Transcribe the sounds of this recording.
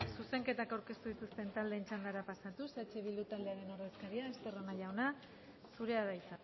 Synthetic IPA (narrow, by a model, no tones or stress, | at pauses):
suse̞ŋke̞t̪akawɾke̞st̪uð̞it̪ust̪e̞nt̪ald̪eːnt͡ʃand̪aɾapasat̪uset͡ʃe̞βilut̪ald̪e̞aɾe̞no̞ɾðe̞skaɾiaest̪e̞ro̞naʎawna | suɾe̞aðajt͡sa